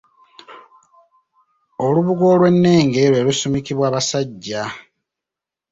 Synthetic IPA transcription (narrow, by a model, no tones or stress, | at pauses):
oluβuɡo̞ːlwe̞nːe̞ːŋɡe̞ɾwe̞ːlusumikiβwaːβasaɟːa